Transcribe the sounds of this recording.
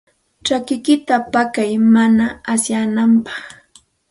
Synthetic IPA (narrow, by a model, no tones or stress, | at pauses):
t͡ʃakɪkɪt̪apakajmanaːsjanampɑ̥χ